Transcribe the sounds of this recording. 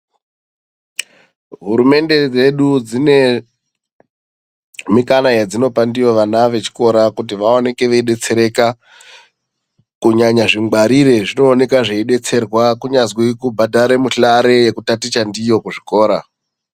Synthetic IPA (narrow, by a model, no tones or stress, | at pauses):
ɦuɾume̞nde̞d͡ze̞ɗud͡zine̞ | mikanajed͡zino̞pandijo̞ʋanaʋe̞t͡ʃi̥ko̞ɾakut̬iʋaoneke̞ʋeiɗe̞t͡se̞ɾe̞ka | kuɲaɲaʐiŋɡaɾiɾe̞ʐino̞ːne̞kaʐeiɗe̞t͡se̞rwakuɲazwikubʱadaɾemuɬaɾe̞jekutatit͡ʃandijo̞kuʐiko̞ːɾa